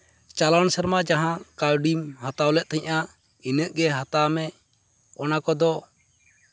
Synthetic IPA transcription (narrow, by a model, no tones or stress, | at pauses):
t͡ʃalansəɾmad͡ʒaɦãkalɖimhat̪awlɛʔ̚ˀt̪ʰɛɲʔa | inəʔɡɛɦat̪amɛ | ɔnakɔd̪ɔ